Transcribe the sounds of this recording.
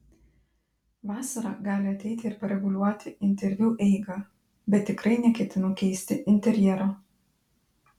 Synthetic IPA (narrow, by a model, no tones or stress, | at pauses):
ʋɑːsɐɾɑːɡɑːlʲɪɐt̪ʲɛɪt̪ʲɪːɾpɐɾʲɛɡʊlʲuɔt̪ʲɪɪnʲt̪ʲɛɾʲʋʲjuːʔɛɪɡɑː | bʲɛt̪ʲːɪkɾɐɪnʲɛkʲɛt̪ʲɪnokʲɛɪsʲt̪ʲɪʔɪnʲt̪ʲɛɾʲjɛɾo